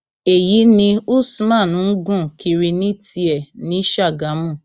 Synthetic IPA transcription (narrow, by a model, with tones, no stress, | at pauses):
e˨ji˨˦nĩ˧u˦smã˦˨nũ˨˦ɡũ˦˨ki˧ɾi˧nĩ˦ti˦ɛ˨nĩ˨˦ʃa˦˨ɡa˨˦mũ˦˨